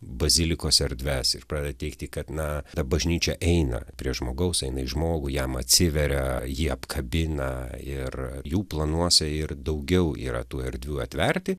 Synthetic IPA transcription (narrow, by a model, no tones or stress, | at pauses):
bɐzʲɪlʲɪkoːsɛɾʲd̪ʲʋʲæsɪ̰rpɾɑːdʲeːd̪ɐtʲɛɪkt̪ʲikɐt̪nɐt̪ɐbɐʒʲnʲiːt͡ʃʲɛʔɛɪnɐ̰pʲɾʲiɛʒmoːɡɐʊsɛɪnɐɪʒmoːɡʊjɛmɐt̪ʲsʲɪʋʲɛɾʲɛjiːɐpkʰɐbʲɪnɐɪrjuːplˠɐnuɔsʲɛɪrd̪ɐʊɡʲɛʊḭːɾɐ̰t̪uːɛɾʲd̪ʲʋʲuːɐt̪ʲʋʲɛrʲt̪ʲɪ